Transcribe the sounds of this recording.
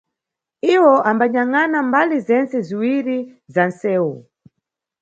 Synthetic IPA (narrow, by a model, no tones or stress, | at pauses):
iwɔʔambaɲaŋanambalizɛnt͡sɛziwiɾizansɛːwu